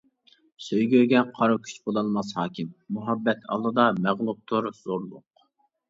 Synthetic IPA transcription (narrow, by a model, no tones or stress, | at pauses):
søjɡʲøɡʲɛqʰɑɾukʲʰy̥t͡ʃbolˠɑlˠmɑshɑːkʲɪmːuɦɑbːɛt̪ʰɑ̰lˠːɨd̪ɑmæʁlˠup̚t̪ʰʊɾz̥oɾlˠʊq